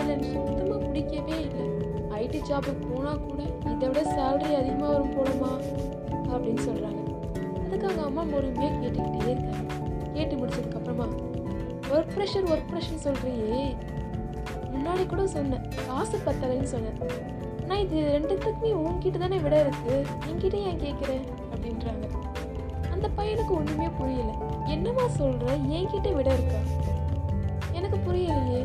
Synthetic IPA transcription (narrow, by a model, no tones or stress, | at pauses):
ɪlːɐnmɔðɐmaːkʊɽɪkːɐʋeːɪlːɐ | ɐɪʈid͡ʒaːpɯkpoːnaːkuːɽɐ | ɪðɛʋɪɽɐsaːlʈɾiɐðɪɣɐmaːʋɐɾɯmpoːɽɐmaː | ɐpːɐɽɪnːɯsɔlːɾaːŋɡɐ | ɐðɯkːaːŋɡɐːmːaːmɔɾɯmeːkeːʈːɯkːɪʈːeeːnt̪aː | keːʈːɯmʊɽɪt͡ʃːɐðɯkːɐpːɐɾɐmaː | ɔɾpɪɾɛʂɐɾʋɔɾpɪɾɛʂɐnsɔlɾiŋjeː | mʊnːaːɭikːuːɽɐsɔnːɐ̃ | kaːsɐpːɐt̪ːɐlɐlnːɯsɔnːɐ | naːɪðɯɾɛɳɖɯt̪ːɐkːmeːuːŋkiːʈːɐt̪aːneːʋɪɽɐɪɾɯkːɯ | ɛŋkiːʈːɐjaːŋkeːʈkːɪɾẽː | ɐpːɐɽɪnɾaːŋɡɐ | ɐnd̪ɐpɐjɐnɯkːɯʊɳːɯmɐjeːpʊɾɪjɐlɐɛnːɐmaːsɔlɾɐɛːŋkiʈːeʋɪɽɐɪɾɯkːaː | ɛnɐkːɯpʊɾɪjɐlɐjeː